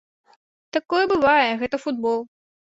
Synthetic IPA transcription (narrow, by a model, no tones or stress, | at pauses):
t̪akɔjɛbɨvajɛɣɛt̪ɐfud̪̚bɔlˠ